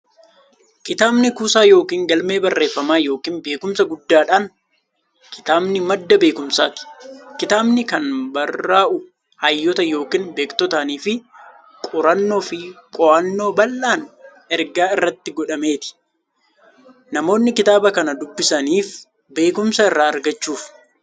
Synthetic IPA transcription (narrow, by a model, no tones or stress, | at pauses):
kɪt̪aːbnɪkuːsaːjo̞ːkiːŋɡɐlme̞ːbɐrːe̞ːfːɐmaːjo̞ːkiːnbe̞ːkʊmsɐɡʊd̪ːaːᶑaːn | kʰɪ̥t̪aːbnɪmɐd̪ːɐbe̞ːkʊmsaːt̪ɪ̥kɪt̪aːbnɪkɐnbɐrːaːʔʊ | hɐjːɔt̪ɐjo̞ːkiːnbe̞ːkt̪ɔt̪aːniːfɪ | kʼʊɾɐnːo̞ːfɪkʼɔʔɐnːo̞ːbɐlːaːn | ɛɾɡaːɪrːɐt̪ːɪɡɔᶑɐme̞ːt̪ɪ̥ | nɐmo̞ːnːɪkɪt̪aːbɐkɐnɐd̪ʊbːɪsɐniːf | be̞ːkʊmsɐɪrːaːɐɾɡɐt͡ʃːuːf